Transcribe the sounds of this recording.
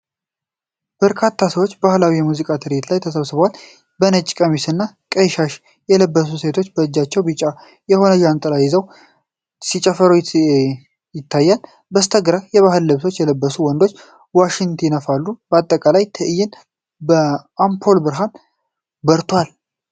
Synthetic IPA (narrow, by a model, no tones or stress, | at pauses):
b̥əɾkʰat̪ʰːasəwo̞t͡ʃːbahlawijɛmuzikʼat̪ʰɨɾet̪lajt̪ʰəsəβsɨβwal | bənət͡ʃʼkʼəmisɨnːa | kʼəjʃaʃ | jɛləbːəs̬use̞t̪ʰo̞t͡ʃːbəɨd͡ʒːat͡ʃːɛwbɨt͡ʃʼːa | jɛho̞nəʒant̪ʼəlajɪzəw | sit͡ʃʼɛfəɾu | jɪt̪ːajːal | bəst̪ʰəɡɾajɛβaɦɨlːɨβso̞t͡ʃːjɛləbːəsuwɔnd̪o̞t͡ʃː | waʃɪnt̪ʰɪnəfalːubəat̪ʼːəkʼalajt̪ʰəʔɨjːɪn | bəampʰo̞lbɨɾɦan | bəɾt̪ʰwal